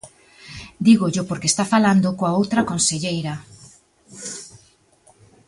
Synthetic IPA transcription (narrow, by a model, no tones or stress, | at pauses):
d̪iɣoʎopoɾkest̪afaland̪okoaowt̪ɾakonseʎejɾa